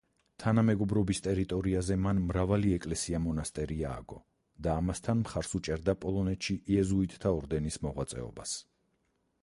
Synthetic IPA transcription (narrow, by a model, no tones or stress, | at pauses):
t̪ʰanamɛɡɔbɾɔbist̪ʼɛɾit̪ʼɔɾiazɛmanmɾavaliɛkʼlɛsiamɔnast̪ʼɛɾia̰ːɡɔ | d̪̥aːmast̪ʰanmχaɾsut͡ʃʼɛɾd̪apʼɔlˠɔnɛt̪ʃiʔiɛzuit̪ʰʼt̪ʰːaɔɾd̪ɛnismɔʁwat̪sʼɛ̰ɔ̰bas